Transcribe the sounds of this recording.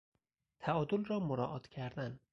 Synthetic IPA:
t̪ʰæɒːd̪olɾɒːmoɾɒ̰ːʔɒt̪cʲʰæɾd̪æn

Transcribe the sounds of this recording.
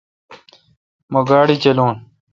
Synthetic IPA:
moɡaːɽit͡ɕɐloːn

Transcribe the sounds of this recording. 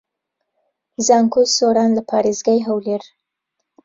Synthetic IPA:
zɑŋkʰulsoɾɑnlapʰɑːɾezɡajɦawleɾ

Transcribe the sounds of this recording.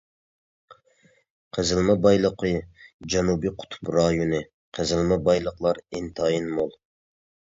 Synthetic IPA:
qʰəzɪlˠmɛbɑjlˠəqʰɨd͡ʒɛnubiqʰʊ̥t̪ʰu̥pɾɑjunɨ | qʰəzɪlˠmɛbɑjlˠəqlˠɑɾɪnt̪ʰɑjinmolˠ

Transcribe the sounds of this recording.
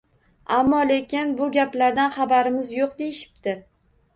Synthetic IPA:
amːɒle̞kʲɪnbʊɡʲaplaɾd̪anχɑbaɾɪmɪzjoqd̪e̞jɪʃɪ̥p̚t̪ɪ

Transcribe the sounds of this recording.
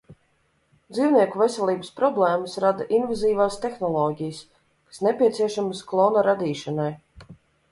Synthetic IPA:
d̪ziːwniɛkuvesɛlʲˠiːbəspɾɔblˠɛːməsɾad̪aʔinvaziːvaːst̪exnɔlˠɔːɟʲijəs | kḁsnepʲiɛt̪sʲiɛʃaməsklˠɔːnaɾad̪iːʃɐnaj

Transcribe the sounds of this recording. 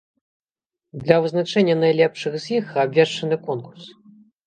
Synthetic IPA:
d̪lʲɐvɨznat͡ʂɛnʲːɐnajlʲɛpʂɨxzʲjixabʲvʲɛʂt͡ʂɐnɨkɔnkurs

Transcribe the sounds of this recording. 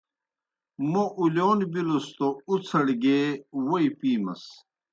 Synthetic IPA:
moʔuloːnbilost̪out͡sʰɐɽɡewoipiːmɐ̰s

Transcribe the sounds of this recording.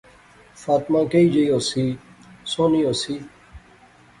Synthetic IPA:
faːt̪mãːkeid͡ʑejoːsisoːnioːsi

